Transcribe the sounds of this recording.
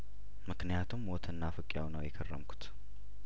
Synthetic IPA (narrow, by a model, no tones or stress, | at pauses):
mɨknijat̪ʰumwɔt̪ʰɨnːafɨkʼjawnəwjɛkʰərːə̰mkʰu̥t̪